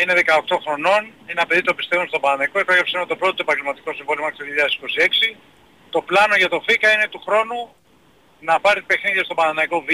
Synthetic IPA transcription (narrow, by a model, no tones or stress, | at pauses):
ine̞ðekɐo̞k̚t̪o̞xɾo̞no̞nineɐpe̞ðit̪obist̪evumst̪o̞bɐnɐnɐiko̞epeɣɾɐpsenmot̪o̞pɾo̞t̪oe̞pɐŋɟelmɐt̪iko̞siɱvo̞liomeçit̪oðioʎɐðɐsi̥ko̞sie̞ksi | t̪o̞plɐno̞ʝɐt̪o̞fikɐine̞t̪uxɾo̞nu | nɐpɐɾipe̞xniðiɐst̪o̞bɐnɐnɐiko̞v